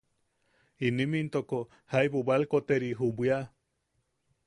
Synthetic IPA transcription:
inimint̪oko | hajbobalkot̪eɾiɦubʷia

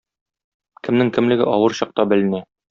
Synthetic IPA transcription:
kɘ̆mnɘŋkɘ̆mlɘ̆ɡɘʔɒwɤɾɕɒq̚t̪ɑbɘ̆lɘ̆næ

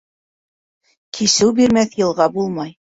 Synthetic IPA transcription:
kʰisɘwbiɾmæθjɤ̆lˠʁɑbulˠmɑj

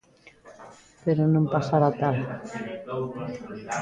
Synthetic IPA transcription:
peɾonõmpasaɾat̪al

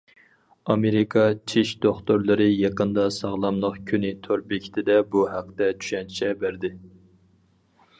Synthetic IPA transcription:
ɑmeɾɪkʰɑt͡ʃʰiʃd̪oχt̪oɾlˠɨɾɨjɑqənd̪ɑsɑʁlˠɑmlˠəqkʲʰynɪt̪ʰoɾbekʲʰi̥t̪ʰɪd̪ɛbuhæq̚t̪ɛt͡ʃʰy̥ʃɛnʰt͡ʃʰɛbæɾd̪ɪ

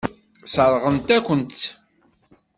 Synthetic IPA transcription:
səɾˤʁənt̪ækʷənt̪

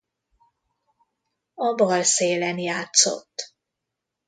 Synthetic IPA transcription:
ɒbɒlseːlɛnjaːt̪so̞̰t̪ː

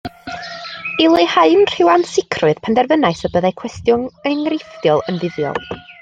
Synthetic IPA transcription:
ɪlˠehaɨnr̥ɪwansɪkʰrʊɨð̥pʰandɛrvənaɨsɔbəðajkʰw̥ɛstjʊnənrɪfdjɔlˠənðɪðjɔ̰lˠ

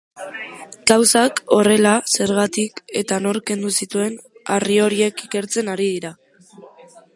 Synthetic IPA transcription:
ɡ̥awsako̞re̞lase̞ɾɣat̪ike̞t̪ano̞ɾke̞nd̪usit̪ue̞nario̞ɾie̞kike̞ɾt͡se̞naɾið̞iɾa

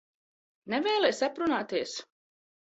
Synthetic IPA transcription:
nɛvɛːlˠɛjsapɾunaːt̪iɛəs

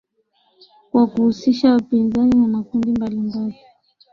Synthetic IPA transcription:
kwakuhusiʃawapinzaninamakundimbalimbali

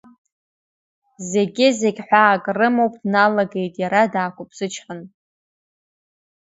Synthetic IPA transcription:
ze̞ɡʲɪze̞ɡʲħʷᶣaːkʼrɨmo̞wpʼdnalaɡe̞jtʼjaɾadaːkʷʰʼʊpʰʼsɨt͡ʃʰħən

